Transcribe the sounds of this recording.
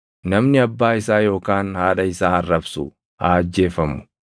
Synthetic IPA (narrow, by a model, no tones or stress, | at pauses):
nɐmnɪɐbːaːɪsaːjo̞ːkaːnhaːᶑɐɪsaːɐrːɐbsʊ̰ | ha̰ːɐd͡ʒːe̞ːfɐmʊ̥